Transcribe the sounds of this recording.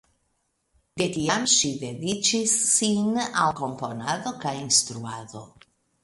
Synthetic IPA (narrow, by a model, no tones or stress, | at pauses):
d̪̥et̪iamʃiðedit͡ʃisːinalko̞mpo̞naðo̞kajinst̪ɾuaðo̰